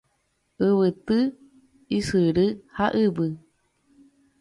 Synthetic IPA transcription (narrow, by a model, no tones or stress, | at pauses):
ɨβɨt̪ɨ | isɨɾɨhaʔɨbɨ